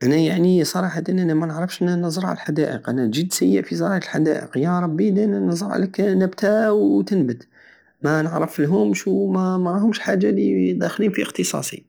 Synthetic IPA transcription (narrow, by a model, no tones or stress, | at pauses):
ʔænæjaʕnisˤɑɾˤɑħad̪inʔænæmænəʕɾəfʃʔnænəzˤəɾˤʕa̰lə̰lħad̪æʔəqʔænæʒid̪sæjːə̰ʔfizɑɾˤɑjəlħad̪æ̰ʔə̰qjɑɾˤɑbːid̪æʔnænəzˤəɾˤʕ̰ləknæbt̪æwt̪ənbəd̪ | mænəʕɾəfəlɦʊmʃwmæmæɾˤɑhʊmʃħaʒːalid̪æxliːnfiəqt̪əsˤɑ̰sˤḭ